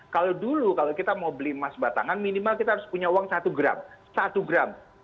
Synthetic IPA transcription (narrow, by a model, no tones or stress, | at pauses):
kalodulukalokit̪amaubəlimasbat̪a̰ŋanminimalkit̪aɦaɾʊspuɲauwaŋsat̪uɡɾa̰msat̪uɡɾam